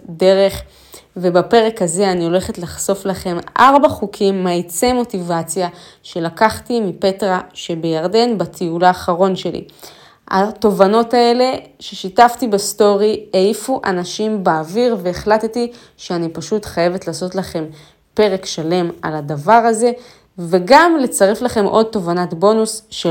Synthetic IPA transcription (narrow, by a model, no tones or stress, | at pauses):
de̞ʁe̞χ | ve̞bape̞ʁekhaze̞aniole̞χe̞tlaχso̞flaχe̞mʔaʁbaχukʰimːait͡se̞mo̞tivat͡sjaʃe̞lakaχtimipe̞tʁaʃe̞be̞jaʁde̞nbatʰiulaːχaʁo̞nʃe̞lḭ | a̰to̞vano̞tae̞le̞ʃeʃitaftibasto̞ʁieifuʔanaʃimbaːviʁve̞ːχlateti | ʃeanipaʃutχaje̞vetlaːso̞tlaχe̞m | pe̞ʁe̞kʃale̞maladavaʁaze̞ | ve̞ɡamle̞t͡saʁeflaχe̞mʔo̞d̚to̞vanatbo̞nusʃe